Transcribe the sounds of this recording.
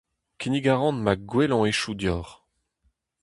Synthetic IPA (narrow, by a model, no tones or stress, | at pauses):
kʲiniɡaʁɑ̃nmaɡwelɔ̃eʃud̪jɔːʁ